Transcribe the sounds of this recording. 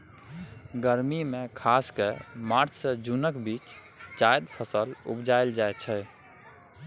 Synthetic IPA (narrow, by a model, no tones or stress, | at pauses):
ɡəɾmimẽkʰaskemaɾt͡ʃʰsed͡ʒunəkbit͡ʃ | t͡ʃajd̪pʰəsəlṵpd͡ʒaeld͡ʒajt͡ʃʰɛ